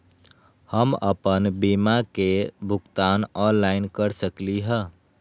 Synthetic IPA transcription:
həmə̰pənbimakebʱʊɡt̪anɔnlaɪnkəɾsəkliɦə

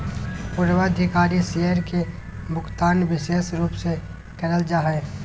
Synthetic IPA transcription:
pʊɾʋad̪ʱɪkaːɾiseəɾke | mʊkt̪aːnʋɪʃeːsɾuːpse | kəɾəld͡ʒaɦɛː

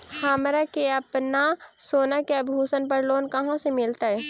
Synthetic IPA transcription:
haːmɾakeɐpnasoːnakeɐbʱuːsənpɐɾloːnkɐɦãsemɪlt̪aɦɛː

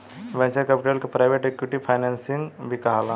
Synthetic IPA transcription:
ʋɛ̃ːɲt͡ʃəɾkɛpɪʈelkepɾaːɪʋeʈekwɪʈipʰaːɪnɛ̃ːnsɪ̃ŋɡbʱikɐɦaːlãː

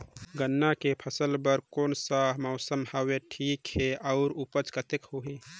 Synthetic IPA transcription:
ɡənːakepʰəsəlbəɾkoːnsaɦmɔʊsəmhaweʈʰiːkheɔʊɾupət͡ʃkət̪ekhoːɦẽ

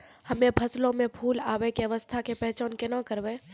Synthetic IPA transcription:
hɐmẽbʱɐslõmẽpʰuːlaːʋekeɐʋəst̪ʰakepɛɦt͡ʃaːnkenakəɾbeː

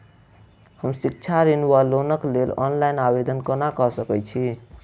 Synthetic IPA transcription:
həmsik̚t͡ʃʰaɾinwalonəklelɔ̰nlajnabed̪ʱənkənakəsəkɛt͡ʃʰi

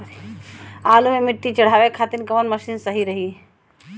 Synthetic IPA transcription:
aːlumẽmɪʈːit͡ʃɐɽ̤aːʋekʰaːt̪inkɐʋənmɐʃiːnsəɦiɾɐɦi

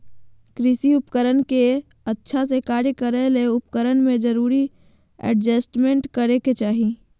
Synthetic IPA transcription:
kɾɪsiʊpkəɾənke | ətːʃʰasekaːɾjəkəɾəɦleʊpkəɾənmẽd͡ʒəɾuːɾi | ɛ̰ɖd͡ʒəsʈmẽɳʈkəɾeket͡ʃaːɦi

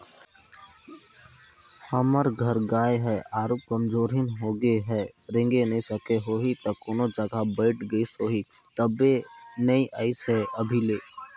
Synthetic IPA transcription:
həməɾɡʱəɾɡaːeɦɛʔaːɾuːp̚kəmd͡ʒoːɾɦɪnɦoːɡeɦɛɾɪ̃ŋɡenɐĩsəkeɦoːɦit̪ɐkoːnod͡ʒəɡʱabəɪʈɡəisoːɦit̪əbenɐĩʔaːɪsɦɛʔɐbʱileː

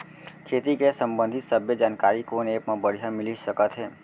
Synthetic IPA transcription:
kʰet̪ikesəmbə̃nd̪ʱɪt̪səbʱjed͡ʒaːnkaɾikonepmãbəɽ̤ijamɪlisəkət̪ɦeː

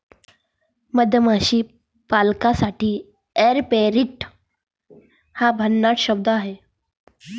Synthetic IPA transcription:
məd̪ʱjəmaɕiː | palkasaʈʰiː | eɾpeɾiʈ | habʱənːaʈʰɕəb̚d̪aɦe

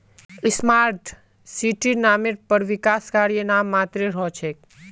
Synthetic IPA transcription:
ɪsmaɾt̪ʰ | siʈinameɾpəɾʋɪkaːskaɾijənaːmːat̪ɾeɾɔt͡ʃʰek̚

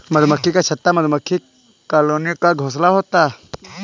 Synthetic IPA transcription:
mɐd̪ʱməkʰːikat͡ʃʰɐt̪ːamɐd̪ʱməkʰːi | kaːloːnijkaɡʱoːslaɦoːt̪aː

